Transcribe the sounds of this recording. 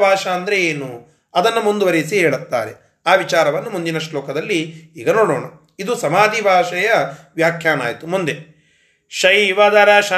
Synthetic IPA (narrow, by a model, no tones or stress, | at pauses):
bʱaːʂɐːnd̪ɐɾe̞eːnu | ɐd̪ɐnːumund̪uʋɐɾisiɦɛːɭut̪ːa̰ːɾe̞̰ | aːʋit͡ʃaːɾɐʋɐnːumund̪inɐʃlɔːkɐd̪ɐlːiiːɡɐnoːɽoːɳɐ | id̪usɐmaːd̪ʱibʱaːʂɐjɐʋjaːkʰjaːna̰ːjt̪umund̪e | ʃɐjʋɐd̪ɐɾɐʃɐ